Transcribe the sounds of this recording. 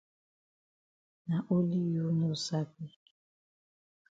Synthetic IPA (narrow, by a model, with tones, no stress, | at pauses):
na˨ʔo˦li˦jo˦no˦sa˦p̚i˦